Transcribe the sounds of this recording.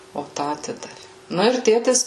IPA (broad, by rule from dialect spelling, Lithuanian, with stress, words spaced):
oː ˈtɑː ɐˈtʲɪdɐʋʲɪ ˈnʊ ɪr ˈtʲeːtʲɪs